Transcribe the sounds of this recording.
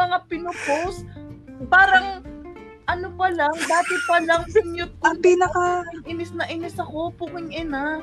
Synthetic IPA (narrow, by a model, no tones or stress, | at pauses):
ɐŋapɪnopowst̪ | paːɾɐŋ | ʔɐnopɐlaŋd̪aːt̪ɪpɐlɐŋsɪŋjʊt̪̚ːɐpiːnɐkɐʔɪnɪsnɐʔɪnɪsɐko̞pukɪŋʔɪna